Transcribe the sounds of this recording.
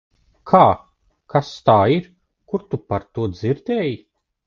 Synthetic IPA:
kʰaː | kʰast̪aːiɾ | kuɾt̪upaɾt̪uɔd̪ziɾd̪ʲɛːji

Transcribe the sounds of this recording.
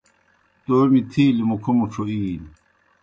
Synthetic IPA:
t̪oːmit̪ʰiːlimukʰomuʈ͡ʂʰoiːl

